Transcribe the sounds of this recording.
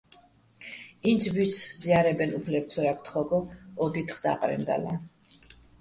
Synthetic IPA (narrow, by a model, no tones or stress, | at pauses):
ind̪sʰbit̪sziaɾɛbɛnupʰlɛp̚t̪sʰɔɾakʰt̪ʰχɔɡɔɔd̪it̪ʰχd̪a̰qʼɾɛ̰nd̪a̰la